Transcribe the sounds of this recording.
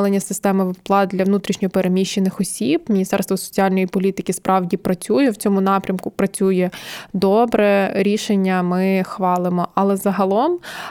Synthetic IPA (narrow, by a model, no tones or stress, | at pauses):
lˠenʲːɐsɪst̪ɛmɔʋɪwplˠɑt̪̚d̪lʲɐʋnut̪ɾʲiʃnʲɔɦɔpeɾʔemʲiʃt͡ʃːenɪxɔsʲibmʲinʲist̪ɛrst̪ʋɔsɔ̥t͡sʲiɑlʲnɔjipɔlʲit̪ɪkɪspɾɑwdʲipɾɐt͡sʲujɛwt͡sʲɔmʊnɑpɾʲɐmkʊpɾɐt͡sʲujɛd̪ɔbɾɛɾʲiʃenʲːɐmɪxʋɑlˠɪmɔʔɐlˠɛzɐɦɐlˠɔm